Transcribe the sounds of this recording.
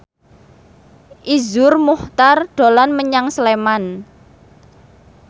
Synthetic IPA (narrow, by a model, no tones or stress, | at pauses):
ʔizʊrmuht̪arɖ̥olanməɲaŋsəleman